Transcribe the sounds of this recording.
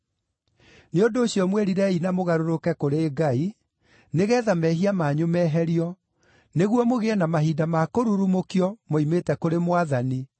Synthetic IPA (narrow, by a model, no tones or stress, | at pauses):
neondoːɕjɔmwɛɾiɾɛinamoɣaɾoɾokɛkoɾeːɡai | neɣɛːðamɛɦiamaɲomɛɦɛɾiɔ | neɣwɔmoɣeɛnamaɦiːdamakoɾuɾumokiɔmoimetɛkoɾemwaðani